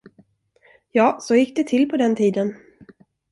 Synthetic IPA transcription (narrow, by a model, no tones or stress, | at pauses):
jɑːsɔjɪk̚ːd̪ɛt̪ʰɪlpʰɔd̪ɛnt̪ʰiːd̪ən